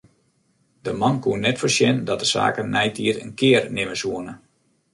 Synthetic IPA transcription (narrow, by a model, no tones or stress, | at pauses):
dəmɑnkuənːɛtfərsjɛndɔt̚dəsa̰ːkənːɛjtʰiəɾənkʰɪərnɪməsuənə